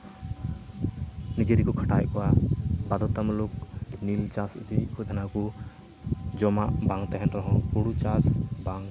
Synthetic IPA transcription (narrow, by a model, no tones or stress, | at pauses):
nid͡ʒeɾikɔkʰḁʈajkɔwabad̪ɔt̪amluk̚nilt͡ʃasud͡ʒikʰud̪ʱanaku | d͡ʒɔmaʔbaŋt̪ɛɦɛnɾɔɦɔ̃puɽut͡ʃasbaŋ